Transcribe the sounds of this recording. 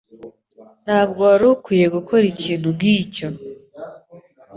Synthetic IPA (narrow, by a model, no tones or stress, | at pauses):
n̥haːbɡoaɾukwiːje̞ɡukʰo̞ɾiciːn̥hunɡiːco̞